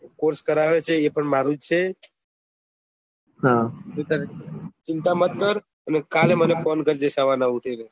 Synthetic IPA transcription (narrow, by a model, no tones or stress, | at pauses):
koɾskəɾaʋet͡ʃʰeːpəɳmaɾũd͡ʒt͡ʃʰe | ɦãot̪aɾet͡ʃɪnt̪amət̪kəɾ | ənekalemənepɔnɡʱəɾd͡ʒeʃaʋanauʈʰeɾe